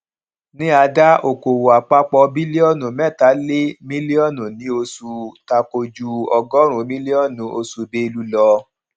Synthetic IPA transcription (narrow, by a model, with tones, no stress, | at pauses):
nĩ˦a˧da˦o˨ko˨wo˨a˨k͡pa˦k͡pɔ˧bi˦li˦ɔ˦˨nũ˨mɛ̃˦˨ta˨˦le˦mĩ˦li˦ɔ˦˨nũ˨nĩ˨˦o˧su˧ta˧ko˧d͡ʒu˧ɔ˧ɡɔ˦ɾ̃ũ˨˦mĩ˦li˦ɔ˦˨nũ˨˦o˧su˧be˦i˧lu˦lɔ˧